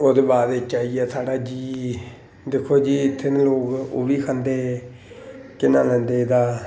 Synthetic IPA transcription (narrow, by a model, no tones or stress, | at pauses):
oːd̪eːbaːd̪eːt͡ʃaːiːɛːsaːɖaːd͡ʒiː | d̪ekʰːoːd͡ʒiːɪt̪ʰːeːnloːkʊ̰ʋiːkʰə̃nd̪eː | kɪnãːlɛ̃ːnd̪eːd̪aː